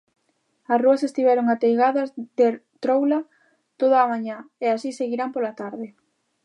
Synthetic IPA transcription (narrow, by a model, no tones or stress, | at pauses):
ɐsruɐsest̪iβɛɾoŋat̪ejɣaðɐzd̪et̪ɾowla | t̪oðaːmaɲaeasiseɣiɾampolat̪aɾðɪ